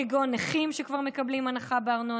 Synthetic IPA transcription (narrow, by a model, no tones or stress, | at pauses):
iɡoneχimʃekvaʁmekablimanaχabeaʁno